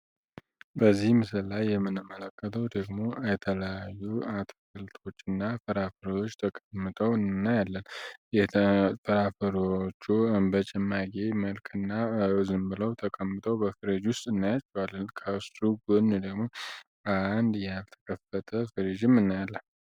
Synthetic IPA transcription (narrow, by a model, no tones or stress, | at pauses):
bəzːihmɨsɨllajːɛmːɨnɨmːələkːət̪ʰəwd̪əɡmo̞jɛt̪ʰələjajːuat̪ʰfɨlt̪ʰo̞t͡ʃːɨnːafɨɾafəɾo̞t͡ʃːt̪ʰəkʼəmːɨt̪ʼəwnːajalːənjɛfəɾafəɾot͡ʃːubət͡ʃʼɛmːaɡeməlkʰɨnːaɨzɨmbɨləwt̪ʰəkʼəmːɨt̪ʰʼəwbəfɨɾid͡ʒwʊst̪ʼɨnːajat͡ʃːɛwalːənkʰəsuɡonːud̪əɡmo̞ | and̪jalt̪ʰə̥kʰəfət̪ʰəfɨɾid͡ʒɪmɨnːajalːən